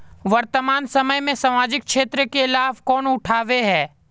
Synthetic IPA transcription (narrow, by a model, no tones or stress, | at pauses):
ʋɐɾt̪əmaːnsɐməjmẽsamaːd͡ʒɪk̚kʃeːt̪ɾəkeɪlaːʋkɔːnʊʈʰaːʋeɦɛː